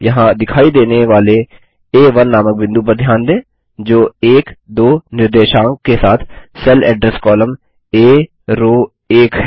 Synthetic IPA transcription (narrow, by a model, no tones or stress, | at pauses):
jɐɦãd̪ɪkʰaːid̪eːneʋaːle | eːʋɐnːaːmək̚bɪ̃nd̪up̬ɐɾd̪ʱjaːnd̪ẽː | d͡ʒoːeːkd̪oːnɪɾd̪eːʃãːŋkkesaːt̪ʰsɛlɛːɖɾɛskɔːləm | eː | ɾoː | eːkɦɛ